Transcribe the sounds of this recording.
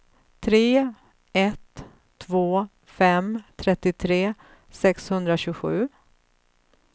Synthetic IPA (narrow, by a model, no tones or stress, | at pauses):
t̪ʰɾeː | ɛt̪ʰː | voː | fɛmt̪ʰɾɛt̪ːɪt̪ʰɾeː | sɛkshɵnd̪ɾaɕʉːɡɧʉ̟ː